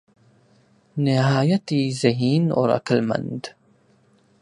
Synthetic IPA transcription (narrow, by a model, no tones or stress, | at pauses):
nɪɦaːjət̪izɐɦiːnɔ̰ːɾɐ̰klmɐ̰̃nd̪